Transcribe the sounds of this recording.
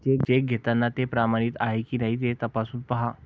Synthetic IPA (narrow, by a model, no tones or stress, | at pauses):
t͡ɕekd͡ʑek̚ɡʱet̪anːat̪epɾamaɽ̃iːt̪aɦekinaɦiːt̪̬et̪əpasuːnpəɦa